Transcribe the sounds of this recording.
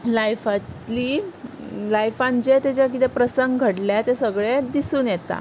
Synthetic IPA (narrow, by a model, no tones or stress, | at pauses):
lajfat̪liː | lajfãɲt͡ɕet̪et͡ɕak̬it̪epɾəsəŋɡɡʱəɽljat̪esəɡɭed̪isuːnjɛt̪a̰